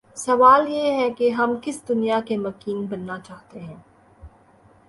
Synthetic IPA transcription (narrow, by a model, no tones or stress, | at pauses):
sɐʋaːljeɦɛkeɦɐmkɪsd̪ʊnijakemɐkiːnbɐnːat͡ʃaːɦt̪eɦɛ̃ː